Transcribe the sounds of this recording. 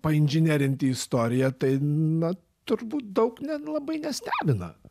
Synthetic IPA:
pɐɪnʲʒʲɪnʲeːɾʲɪnʲt̪ʲɪɪst̪oːɾʲɪjɛt̪ɐɪnɐ | t̪ʊɾbuːt̪̚d̪ɐʊknʲɛlˠɐbɐɪnʲɛsʲt̪ʲæːbʲɪnɐ̰

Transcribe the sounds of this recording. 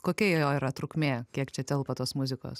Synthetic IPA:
koːkʲɛijoːiːɾɐt̪ɾʊkmʲeːkʲiɛkt͡ʃʲɛt̪ʲɛlˠpɐt̪oːsmʊzʲɪko̰ːs

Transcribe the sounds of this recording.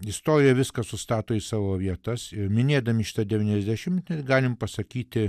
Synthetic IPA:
ɪst̪oːɾʲɪjɛʋʲɪskɐsʊst̪ɑːt̪oːiːsɑːʋoːʋʲiɛt̪ɐsɪmʲɪnʲeːd̪ɐmʲɪʃʲɪ̥t̪ɐd̪ʲɛʋʲiːnʲɛzʲd̪ʲæʃʲɪmt̪ʲnʲɛt̪ɡɑːlʲɪmpɐsɐkʲiːt̪ʲɪ

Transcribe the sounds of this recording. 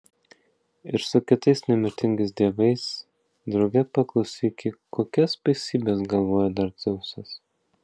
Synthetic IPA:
ɪɾsʊkʲɪt̪ɐɪsnʲɛmʲɪɾʲt̪ʲɪŋʲɡɐɪsd̪ʲiɛʋɐɪs | d̪ɾɐʊɡʲɛpɐklˠɐʊsʲiːkʲɪkoːkʲɛspɐɪsʲiːbʲeːs̬ɡɐlˠʋoːjɛd̪ɐɾt̪sɔʊsʲɐs

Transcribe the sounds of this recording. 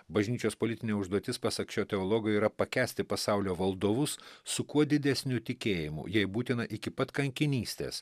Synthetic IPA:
bɐʒʲnʲiːt͡ʃʲoːspoːlʲɪt̪ʲɪnʲeːʊʒd̪uɔt̪ʲɪspɐsɐkt͡ʃʲoːt̪ʲɛoːlˠoːɡɐɪiːɾɐpɐkʲæːsʲt̪ʲɪpɐsɑʊlʲoːʋɐlˠd̪oːʋʊssʊkuɔd̪ʲɪd̪ʲæsʲnʲʊt̪ʲɪkʲeːjɪmʊ̰jɛɪbuːt̪ʲɪnɐʔɪkʲɪpɐt̪kɐŋʲkʲɪnʲiːsʲt̪ʲḛːs

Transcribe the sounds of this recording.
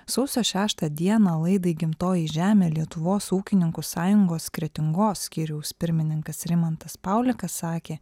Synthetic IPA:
sɒʊsʲoːʃʲæːʃt̪ɐd̪ʲiɛnɑːlˠɐɪd̪ɐɪɡʲɪmt̪oːjiːʒʲæːmʲeːlʲiɛt̪ʊʋoːsuːkʲɪnʲɪŋkusɑːjʊŋɡoːskɾʲɛt̪ʲɪŋɡoːsːʲkʲiːɾʲɛʊspʲɪɾʲmʲɪnʲɪŋkɐsɾʲɪmɐnt̪ɐspɑʊlʲɪkɐsːɑːkʲeː

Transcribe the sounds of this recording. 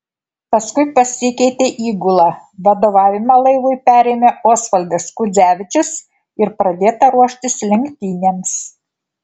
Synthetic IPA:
pɐskʊɪpɐsʲɪkʲɛɪt̪ʲeːʔiːɡʊlˠɑː | ʋɐd̪oːʋɑːʋʲɪmɑlˠɐɪʋʊɪpʲæːɾʲeːmʲeʔoːsfɐlʲd̪ʲɐskʊd̪zʲæːʋʲɪt͡ʃʲʊs | ɪɾpɾɐd̪ʲeːt̪ɐɾuɔʃʲt̪ʲɪslʲɪŋʲkʲt̪ʲiːnʲeːms

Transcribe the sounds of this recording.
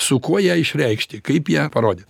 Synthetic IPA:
sʊkuɔjæːɪʃʲɾʲɛɪkʃʲt̪ʲɪkɐɪpjiːpɐɾoːd̪ʲɪt

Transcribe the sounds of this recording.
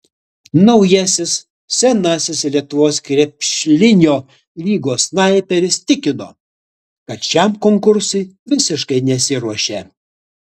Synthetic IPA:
nɐʊjɛsʲɪs | sʲɛnɐsʲɪslʲiɛt̪ʊʋoːskɾʲɛpʲʃʲlʲɪnʲoː | lʲiːɡoːsnɐɪpʲɛɾʲɪst̪ʲɪkʲɪno̰ː | kɐt̪ʃʲɛmkoŋkʊɾsʊɪʋʲɪsʲɪʃkɐɪnʲɛsʲɪɾuɔʃʲeː

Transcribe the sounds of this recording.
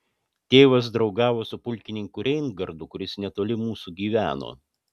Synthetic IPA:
t̪ʲeːʋɐs̬d̪ɾɒʊɡɑːʋoːsʊpʊlʲkʲɪnʲɪŋkʊɾʲɛɪnɡɐɾd̪ʊkʊɾʲɪsnʲɛt̪oːlʲɪmuːsuɡʲiːʋʲæ̰ːno̰ː

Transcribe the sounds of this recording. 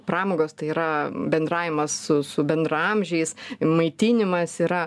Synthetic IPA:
prɑːmoːɡoːst̪ɐɪiːɾɐbʲɛnd̪ɾɑːʋʲɪmɐssʊsʊbʲɛnd̪rɐɐmʲʒʲɛɪsmɐɪt̪ʲiːnʲɪmɐsiːɾɐ

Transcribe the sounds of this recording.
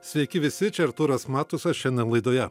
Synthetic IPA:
sʲʋʲɛɪkʲɪʋʲɪsʲɪt͡ʃʲɛɾt̪uːɾɐsmɑːt̪ʊsɐʃʲɛnʲd̪ʲɛnlˠɐɪd̪oːjɛ

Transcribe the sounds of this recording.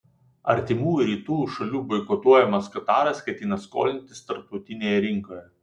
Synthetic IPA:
ɐ̰ɾʲt̪ʲɪmuːjʊɾʲiːt̪uːjuʃɐlʲuːbɐɪkɔt̪uɔjɛmɐskɐt̪ɑːɾɐskɐt̪ʲjʲɪnɐsko̰ːlʲɪnʲt̪ʲɪst̪ɐɾp̚t̪ɔʊt̪ʲɪnʲeːjɛɾʲɪŋkoːjɛ

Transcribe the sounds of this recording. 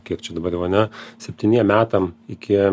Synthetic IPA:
kʲiɛkt͡ʃʲɛd̪ɐbɐɾjɛʊɐnʲɛsʲɛpʲt̪ʲɪnʲiɛmmʲæːt̪ɐmɪkʲɪ

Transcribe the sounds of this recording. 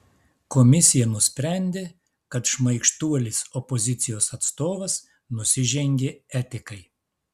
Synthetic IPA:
kɔmʲɪsʲɪjɛnʊsʲpʲɾʲæˑnʲd̪ʲeː | kɐt̪ʃmɐɪkʃt̪uɔlʲɪsɔpɔzʲɪt̪sʲɪjoːsɐt̪st̪oːʋɐs | nʊsʲɪʒʲɛŋʲɡʲeɛt̪ʲɪkɐɪ

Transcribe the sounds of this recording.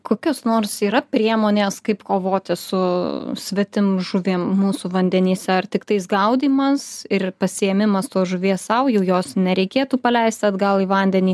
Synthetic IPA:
koːkʲoːsnoːrsiːɾɐpʲɾʲiɛmoːnʲeːskɐɪpkoːʋoːt̪ʲɪsʊsʲʋʲɛt̪ʲɪmʒʊʋʲeːmmuːsuʋɐnʲd̪ʲɛnʲiːsʲɛɐrt̪ʲɪkt̪ɐɪsɡɐʊd̪ʲiːmɐsɪrpɐsʲɪjɛmʲɪmɐst̪oːsʒʊʋʲiɛssɐʊjɛʊjoːsnʲɛɾʲɛɪkʲeːt̪uːpɐlʲɛɪsʲt̪ʲɐd̪ɡɐlˠiːʋɐnʲd̪ʲɛnʲiː

